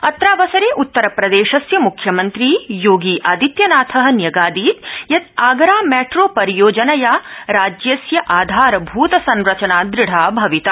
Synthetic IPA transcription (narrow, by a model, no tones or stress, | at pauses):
ɐt̪ɾaːʋɐsɐɾeːʔut̪ːɐɾɐpɾɐd̪eːʃɐsjɐmukʰjɐmɐnt̪ɾiːjoːɡiːʔaːd̪it̪jɐnaːt̪ʰɐɦɐ̆njɐɡaːd̪iːt̪jɐt̪aːɡɾaːmɛːʈɾoːpɐɾijoːd͡ʒɐnɐjaːɾaːd͡ʒjɐsjɐʔaːd̪ʱaːɾɐbʱuːt̪ɐsɐnɾɐt͡ʃɐnaːd̪ɾɪɽ̤aːbʱɐʋit̪ɐ